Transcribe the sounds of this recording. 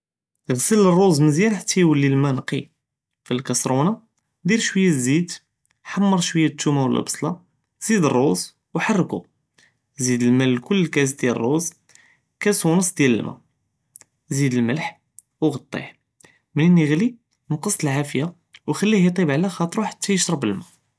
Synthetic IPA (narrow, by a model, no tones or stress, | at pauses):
ɣsələrˤːuzmənzjæɾħat̪ːæjwəlːilmænqḭ | filkɑsɾunɑ | d̪iɾʃwəjːazid̪ | ħamːɑɾˤʃwəjːat̪ːumæwəlʔbsˤlɑ | z̥id̪ərˤːoz | wħɑrˤːku | zid̪əlmæləlkʊlːkæs̬d̪jælrˤːoz | kæsunəsˤd̪jælə̰lmʔæ̰ | zid̪əlməlħ | wɣɑt̪ˤːḭħ | məninːiɣli | nqəsˤt̪əlʕafəja | wxælːihit̪ˤibʕlæxɑt̪ˤɾuħḁt̪ʰːæjəʃɾˤɑbəlmæ